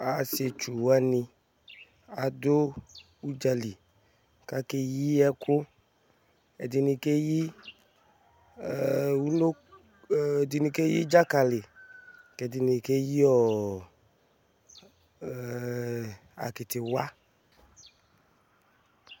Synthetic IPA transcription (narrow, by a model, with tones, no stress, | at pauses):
a˨se˧t͡ʃu˨a˦ni˧ | a˨do˦ | u˦d͡ʒa˧li˨ | ka˦ke˧ji˦ɛ˧kʊ˦ | ɛ˨di˧ni˧ke˦ji˦˨ | u˦lo˦˨ | di˧ni˧ke˦ji˦d͡ʒa˦ka˧le˨ke˨di˧ni˧ke˦ji˦ɔ˦˨ | a̰˨ki˨tɪ˨wa˦